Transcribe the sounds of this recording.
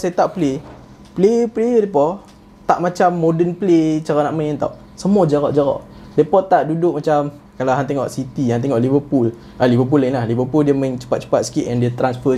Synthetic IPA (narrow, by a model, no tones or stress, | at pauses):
sat̪aʔple | pleplejədepɔ | t̪aʔmãt͡ʃamːodənplet͡ʃaɾaʔnaʔmãnt̪a̰w | səmuad͡ʒaɣɔ̰ʔd͡ʒaɣɔ̰ʔ | depɔt̪aʔdudʊʔ̚mat͡ʃam | kalaɦant̪eŋɔ̰ʔsit̪ihant̪̬eŋɔʔlivəpul | ʔalivəp̬ulːainlahlivəpuldiəmə̃ŋt͡ʃə̥pat̪̚t͡ʃə̥pat̪sə̥kiʔɛndət̪ɾansfə